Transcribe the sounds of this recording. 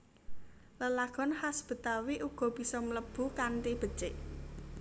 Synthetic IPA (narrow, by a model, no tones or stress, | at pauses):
ləlaɡ̥ɔ̤nhasb̥ə̤t̪awiʔuɡ̥ɔ̤b̥i̤sɔmələb̥ṳkanʈib̥ə̤t͡ʃɪʔ